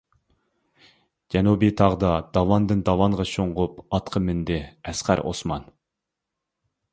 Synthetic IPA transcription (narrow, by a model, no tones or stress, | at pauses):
d͡ʒɛnubit̪ʰɑʁd̪ɑd̪ɑwɑnd̪ɨnd̪ɑwɑnʁɑʃoɴʁʊpɑt̪qʰəmynd̪ɪɛsqæ̰ɾʔo̰smɑn